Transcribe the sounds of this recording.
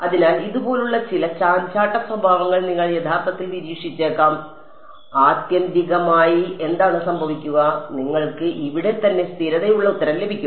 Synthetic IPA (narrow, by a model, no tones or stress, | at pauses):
ɐðinaːliðubo̞ːluɭːɐt͡ɕilɐt͡ɕaːnt͡ɕaːʈːɐprɐbʱaːʋɐŋːɐɭniŋːɐɭje̞d̪ʰʱaːrt̪ɐt̪ːilniɾiːʂit͡ɕːeːkːaːm | aːt̪jɐnd̪iɣɐmaːjie̞nd̪aːɳɨsɐmbʱɐʋikʲːuɣɐniŋːɐɭkɨʔiʋiɽe̞t̪ɐnːe̞st̪ʰiɾɐðejuɭːɐut̪ːɐɾɐmle̞bʱikʲːum